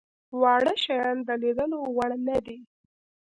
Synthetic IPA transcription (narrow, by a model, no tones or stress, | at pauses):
wɑɽəʃɑjɑnd̪əlid̪əlowaɳnad̪i